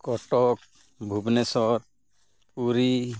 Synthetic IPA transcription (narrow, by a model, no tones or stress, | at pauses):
kɔʈɔk̚ | bʱubnɛsɔɾ | puɾi